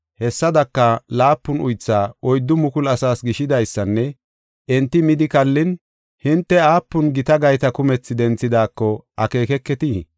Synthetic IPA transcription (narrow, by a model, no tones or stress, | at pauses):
hɛsːɐd̪ɐkːɐlaːpːʊnʊjt͡sːaːɔjd̪ːʊmʊkʊlɐsaːsɡɪʃɪd̪ɐjsːɐnːɛ | ʔɛnt̪ːɪmɪd̪ɪkɐlːɪn | hɪnt̪ːɛaːpːʊnɡɪt̪ɐɡɐjt̪ɐkʊmɛt͡sːɪd̪ɛnt͡sːɪd̪aːkːɔʔɐke̞ːkɛkːɛt̪i